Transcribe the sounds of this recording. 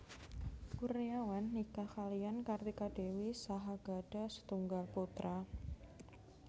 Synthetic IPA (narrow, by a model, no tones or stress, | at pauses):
kurijawanːikakaliankart̪ikad̥ewisaɦaɡ̥aɖ̥a̤sə̥t̪uŋɡalput̪ɾa